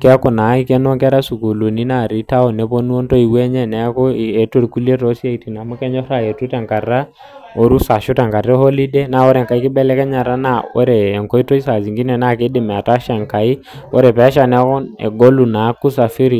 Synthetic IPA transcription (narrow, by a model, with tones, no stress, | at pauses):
kɛ˦kɔ˨na˨˦i˦kɛ˦nɔ˦ŋkɛ˦ɾa˦su˨ko˨lo˨ni˦na˦˨ɾi˦ta˦ɔ˨nɛ˨˦po˦nu˦o˦ntɔ˦i˨wɛ˦ɲɛ˦nɛ˨˦kɔ˦˨ɛ˨to˦ɾku˦le˦tɔ˦si˦a˦i˨ti˨na˨mu˦kɛ˦ɲɔ˦ɾa˦je˨tu˦tɛ˨ŋka˨ɾa˦ | o˨ɾu˦sa˨ʃu˦tɛ˨ŋka˨rɛ˦hɔ˦li˦dɛ˦na˦˨ɔ˦ɾɛ˨ŋka˨i˦kɪ˦bɛ˦lɛ˦kɛ˦ɲa˨ɾa˦na˦ɔ̰˦ɾɛː˨ŋkɔ˦i˦tɔ˦i˦sa˨zi˨ŋɡi˦nɛ˨na˦˨kɪ˦dɪ˨mɛ˨a˨ta˦ʃa˨ŋka˨i˦ | ɔ˦ɾɛ˨pɛ˨˦ʃa˨nɛ˦kɔ˦nɛ̰˨ɡo˦lu˨na˨˦ku˦sa˨fi˦ɾi˨